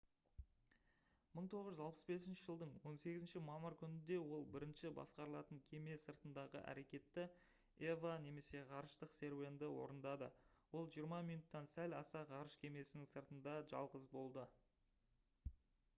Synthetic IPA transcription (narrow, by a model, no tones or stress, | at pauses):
məɴt̪ʰo̞ʁəʒʏzɑlˠpə̥sbe̞s̬ɪnʃɪʒəlˠd̪əɴwo̞nse̞ɡʲɪzɪnʃɪmɑməɾkʲʰʏnɪnd̪e̞wo̞lˠbɪɾɪnʃɪbɑ̰sqɑɾəlˠɑt̪əŋkʲʰe̞me̞səɾt̪ənd̪ɑʁə̰ʔæ̰ɾe̞kʲe̞t̪ːɪ | evane̞me̞se̞ʁɑɾəʃt̪əqse̞ɾvʲe̞nd̪ɪwo̞̰ɾənd̪ɑd̪ə̰wo̞lˠʒijəɾmɑmijnut̪ːɑnsælɑ̰sɑʁɑɾəʃkʲʰe̞me̞sɪnɪŋsəɾt̪ənd̪ɑʒɑ̰lˠʁəzbo̞lˠd̪ə